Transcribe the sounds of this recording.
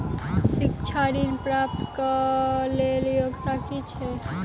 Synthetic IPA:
sikt͡ʃʰaɽinpɾap̚t̪kəleljoɡt̪akit͡ʃʰɛ

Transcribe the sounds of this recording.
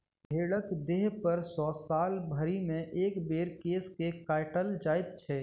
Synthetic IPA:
bʱeːɽəkd̪eːɦpəɾsɔːsaːlbʱəɾimẽʔeːkbeːɾkeːskekaːɪʈəld͡ʒaːɪt̪̚t͡ʃʰɛː

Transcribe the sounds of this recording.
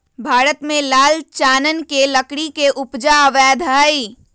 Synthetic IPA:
bʱaːɾət̪mẽlaːlt͡ʃaːnənkelɐkɽikeʔʊpd͡ʒaəʋɛːd̪ʱaːiː

